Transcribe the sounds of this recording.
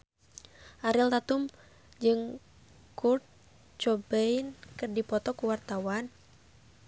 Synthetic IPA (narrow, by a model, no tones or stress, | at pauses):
ʔaɾilt̪at̪um | d͡ʒɨŋ | kurt̪̚ | t͡ʃɔbɛjnkɨrdipɔt̪ɔkuwart̪awan